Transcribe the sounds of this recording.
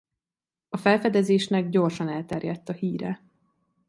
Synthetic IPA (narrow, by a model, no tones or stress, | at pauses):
ɒfɛlfɛd̪ɛzeːʃnɛɡ̚ɟo̞rʃɒnɛlt̪ɛrjɛt̪ːɒhiːɾɛ̰